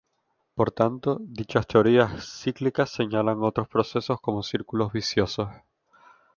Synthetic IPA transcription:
po̞ɾt̪ant̪o̞ðit͡ʃast̪e̞o̞ɾiasːiklikasːe̞ɲalaŋo̞t̪ɾospɾo̞se̞so̞sko̞mo̞siɾkulo̞zβisjo̞so̞s

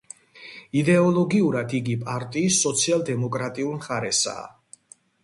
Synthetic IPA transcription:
id̪ɛɔlˠɔɡiuɾad̪ʰiɡipʼaɾt̪ʼiːsːɔt̪sʰialˠd̪ɛmɔkʼɾat̪ʼiulˠmχaɾɛsa̰ː

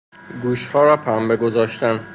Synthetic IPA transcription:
ɡuːʃhɒːɾɒːpʰæmbeɡozɒːʃt̪ænd̪

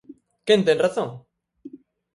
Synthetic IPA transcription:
kẽnt̪enraθõŋ

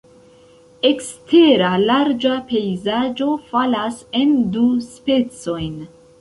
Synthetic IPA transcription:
e̞kstʰe̞ɾalaɾd͡ʒape̞jzad͡ʒo̞falase̞nduspe̞t͡so̞jn

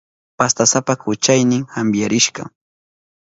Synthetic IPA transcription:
past̪asapakʊt͡ʃajnɪŋxambjaɾɪʃɢɑ̰

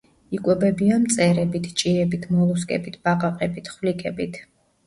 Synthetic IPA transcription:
ikʼwɛbɛbiamt̪sʼɛɾɛbit̪ʰt͡ʃʼiɛbit̪ʰmɔlˠɔskʼɛ̰bit̪ʰb̥aqʼaqʼɛbit̪ʰχvlikʰɛbit̪ʰ

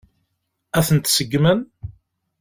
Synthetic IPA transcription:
æθənt̪səɡːmən

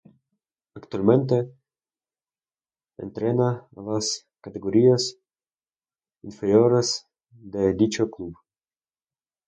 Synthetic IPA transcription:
akt̪ualment̪̬e | ḛnt̪ɾenalas | kat̪eɡoɾias | infeɾjoɾes | d̪ed̪it͡ʃoklub

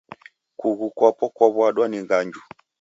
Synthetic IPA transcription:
kuɣukwapɔkwɔβwaɗwaniŋɡaɲd͡ʒu

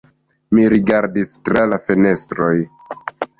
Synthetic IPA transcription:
miɾiɡaɾdistɾalafe̞ne̞stɾo̞j

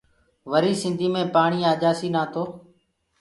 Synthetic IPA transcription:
ʋəɾiːsɪ̃nd̪ʱiːmẽːpaːɳiːaːd͡ʒaːsiːnaːt̪ʰoː

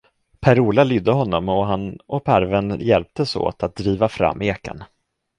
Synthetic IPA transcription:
pʰæɾuːlalʏd̪ːəɦɔnːɔmɔɦanɔpʰæɾvɛnjɛlp̚t̪əso̰ːt̪at̪̚d̪ɾiːvafɾa̰mːeːka̰n

